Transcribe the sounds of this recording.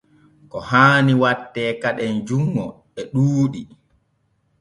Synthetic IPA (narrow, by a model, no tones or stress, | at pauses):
kɔhaːniwatːɛːkaɗɛnd͡ʒuŋːɔ | ɛɗuːɗi